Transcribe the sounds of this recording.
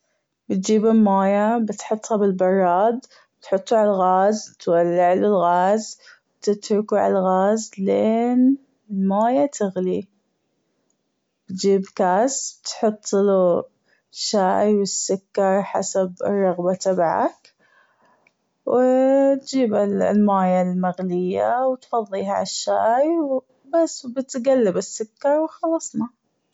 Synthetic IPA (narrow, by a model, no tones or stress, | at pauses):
bɪt̪̚d͡ʒiːbɪlmaːjabɪt̪ħʊt̪ˤːhɑbɪlbɑrˤːɑːd̪ˤ | bɪt̪ħʊt̪ˤːuʕalalɣaːzt̪walːɪʕlulɣaːzbt̪ɪt̪ɾʊkuʕa̰laɣaːzleːn | maːjat̪ʰɪɣli | b̥t̪d͡ʒiːbkaːsbt̪ħʊt̪ˤːlu | ʃaːjwɪsːʊkːɑɾˤħa̰sab̰rˤːɑɣbat̪abʕa̰k | wt̪d͡ʒiːbɪlmaːjalmaɣlɪjːawt̪fɑðˤːiːɦa̰aʃːaːjw | basːbɪt̪ɡalːɪbɪsːʊkːɑɾˤwxɑlɑsˤnɑ